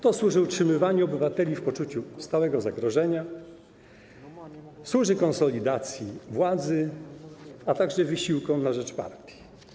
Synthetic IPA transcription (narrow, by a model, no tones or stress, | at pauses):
t̪ɔswuʐɘutʂɘmɘvaɲɛɔbɘvat̪ɛlʲifpɔt͡ʂut͡ɕust̪awɛɡɔzaɡɾɔʐɛɲa | swuʐɘkɔnsɔlʲid̪at̪sʲjivwad̪zɘ | at̪aɡʐɛvɘɕiwkɔ̃w̃naʐɛt͡ʂpa̰ɾt̪ʲji